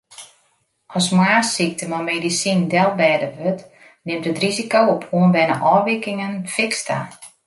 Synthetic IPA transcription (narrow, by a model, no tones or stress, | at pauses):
ɔsmwaːsik̚təmɔmeːdisindɛlˠbɛːdəʋøt | nɪmtətrizikowopʰoənbɛnə̰ʔɔːʋɪkɪŋənfɪkstʰa̰